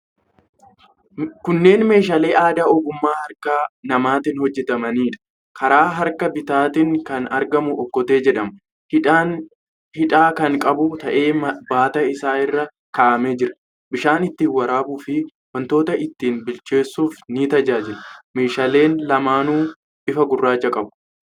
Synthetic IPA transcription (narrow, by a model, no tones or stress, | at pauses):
kʊnːe̞ːnme̞ːʃ̬ɐle̞ːʔaːd̪aɔɡʊmːaːhɐɾkaːnɐmaːt̪ɪnhɔd͡ʒːɛt̪ɐmɐniːᶑɐ̥ | kʰɐɾaːɦɐɾkɐbɪt̪aːt̪ɪŋkɐnɐɾɡɐmʊʔɔkːɔt̪e̞ːd͡ʒɛᶑɐm | hɪᶑaːkɐŋkʼɐbʊt̪ɐʔe̞ːbaːt̪ɐɪsaːɪrːɐ | kaʔɐmeːd͡ʒɪɾɐ̥ | bɪʃaːnɪt̪ːiːwɐɾaːbuːfɪ | wɐnt̪o̞ːt̪ɐʔɪt̪ːiːnbɪlt͡ʃe̞ːsːuːfniːt̪ɐd͡ʒaːd͡ʒɪɾɐme̞ːʃɐle̞ːnlɐmaːnuː | ʔɪfɐɡʊrːaːt͡ʃːɐkʼɐbʊ̥